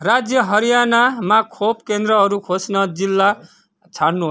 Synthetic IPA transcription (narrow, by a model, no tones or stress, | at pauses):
rad͡zjʌɦʌɾijanamakʰopkend̪rʌɦʌɾukʰosnʌd͡zilːa | t͡sʰaɽnuɦo